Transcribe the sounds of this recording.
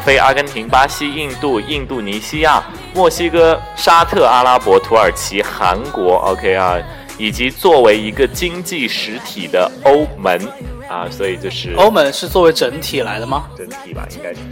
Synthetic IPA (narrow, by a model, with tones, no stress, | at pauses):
fe˥ɪʔa̰˥kə˧˥nt̪ʰi˧˥ŋpa˥ɕi˥i˥˧ŋt̪u˥˧i˥˧ŋt̪u˥˩ni˧˥ɕi˥ja˥˩ | mwɔ˥˩ɕi˥kɤ˥ʂa˥t̪ʰɤ˥˩a˥la˥pwɔ˧˥t̪ʰu˧˥ə˞˨˩t͡ɕʰi˧˥xa̰˧˥nkwɔ˧˥ʔo̰˧kʰe˥ɪɐ̰˧ | i˨˩t͡ɕi˧˥t͡swɔ˥˩we˧˥ɪi˧˥ɡə˧t͡ɕi˥ŋt͡ɕi˥˩ʂɻ̩˧˥t̪ʰi˨˩d̪ə˦o˥ʊmə˧˥nɐ˧swɔ˧˥i˨˩t͡ɕjo˥˧ʊʂɻ̩˥˩o˥ʊmə˧˥nʂɻ̩˥˧t͡swɔ˥˩we˧˥ɪʈ͡ʂə˧˥nt̪ʰi˨˩la˧˥ɪd̪ə˧mɐ˨ʈ͡ʂə˧˥nt̪ʰḭ˨˩bɐ̰˦ḭ˥ŋka˥ɪ